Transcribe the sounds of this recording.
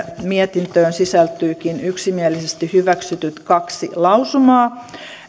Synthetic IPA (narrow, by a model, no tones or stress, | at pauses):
miet̪int̪øːnsisælt̪yːkinyksimielisest̪ihyʋæksyt̪yt̪kɑksilɑusumɑː